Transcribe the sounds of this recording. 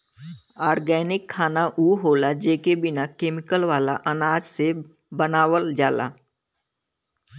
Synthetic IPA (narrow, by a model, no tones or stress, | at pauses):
aːɾɡɛːnɪkʰːaːnaʔuːɦoːlad͡ʒeːkebɪnakeːmɪkəlʋaːla̰ʔənaːd͡ʒse | bənaːwəld͡ʒaːla̰ː